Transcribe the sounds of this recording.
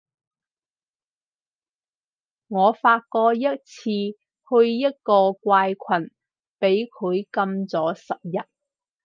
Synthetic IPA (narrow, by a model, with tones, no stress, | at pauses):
ŋɔː˨˧faː˧t̚kɔː˧jɐ˥t̚t͡sʰiː˧ | hɵ˧ɥjɐ˥t̚kɔː˧kʷaː˧jkʷʰwɐ˨˩n | pe˨˥jkʰɵ˨˧ɥkɐ˧mt͡sɔː˨˥sɐ˨p̚jɐ˨t̚